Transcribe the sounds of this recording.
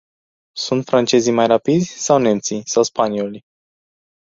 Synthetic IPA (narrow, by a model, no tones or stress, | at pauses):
sunt̪fɾant͡ʃe̞zimajrapid̪zʲsawne̞mt̪sisawspaniolʲ